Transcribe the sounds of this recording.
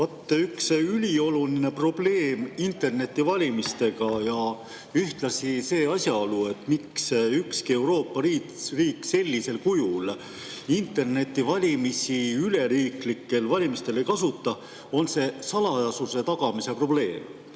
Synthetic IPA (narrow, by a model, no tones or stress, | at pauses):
vɑt̪ːeyksylʲio̞luline̞pro̞b̥le̞ːmint̪e̞rne̞t̪ːivɑlʲimist̪e̞ɡ̥ɑjɑ | yht̪lɑsise̞ːɑsʲjɑo̞lue̞t̪ːˑmiksykskie̞wɾo̞ːpˑːɑɾiːriːkːse̞lʲːise̞lkujul | int̪ːˑe̞rne̞t̪ˑːivɑlʲimisiyle̞ɾiːklikːe̞lvɑlʲimist̪e̞le̞jkɑsut̪ːˑɑ | o̞nse̞sɑlɑjɑsuse̞t̪ɑɡ̥ɑmise̞pro̞b̥le̞ːm